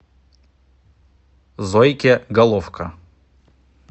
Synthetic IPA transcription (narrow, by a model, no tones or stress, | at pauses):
zɔjkʲeɡɐlˠɔfkʰɐ